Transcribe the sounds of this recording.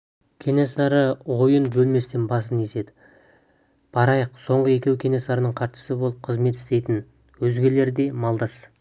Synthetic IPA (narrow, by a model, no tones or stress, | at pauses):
kʲʰe̞nesɑɾəwo̞jənbɵlme̞st̪enbɑs̬ənese̞d̪ɪ | b̥ɑɾɑjəqso̞ɴʁəe̞kʲe̞wkʲʰe̞nesɑɾənəɴqʰɑɾʃə̥səbo̞lˠəp̚qʰəzme̞t̪ɪ̥st̪e̞jt̪ɪn | wɵzɡʲe̞le̞ɾd̪e̞mɑlˠd̪ɑs